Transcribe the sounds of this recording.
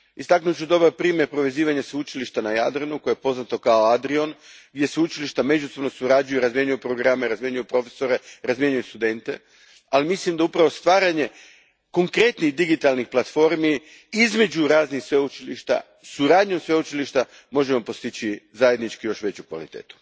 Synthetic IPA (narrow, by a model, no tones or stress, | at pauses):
ist̪aknut͡ɕud̪o̞baɾpɾiːmjeɾpɾo̞ʋe̞ziːʋaɲaseut͡ʃiliʃt̪anaja̰d̪ɾenuko̞jeepo̞znat̪o̞kaoad̪ɾio̞nɡd̪je̞seut͡ʃiliʃt̪ame̞d͡ʒuso̞bno̞suɾad͡ʒujuɾazmje̞ɲujupɾoɡɾameɾazmjeɲujupɾo̞fe̥so̞ɾe̞ɾazmje̞ɲujust̪ud̪e̞nt̪e̞ | alimislimd̪aupɾaʋo̞st̪ʋaːɾaɲe̞ | ko̞ŋkɾe̞t̪niɣd̪iɡit̪alnixplˠat̪fo̞ɾmi | izme̞d͡ʑuɾaːznixsʋeut͡ʃiliʃt̪a̰ | suɾaːd̪ɲosʋeut͡ʃiliʃt̪a | mo̞ʒemo̞po̞st̪it͡ɕizaje̞d̪nit͡ʃkijo̞ʃʋe̞t͡ɕukʋa̰lit̪e̞̰ːt̪u̥